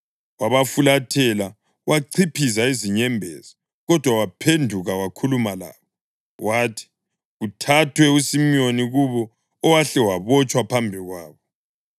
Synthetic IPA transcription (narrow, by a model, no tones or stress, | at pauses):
waβafulatʰɛla | waǀʰipʰizaiziɲɛmbʱɛ̰ːzɔ | ɣɔd̥ʱwawapʰendʱuɣawakʰulumala̰ːβɔ | wʔatʰi̥ | ɣutʰatʰwɛusimioniɣuβɔː | waɬɛwaβɔt͡ʃʼwapʰambʱiɣwaːβɔ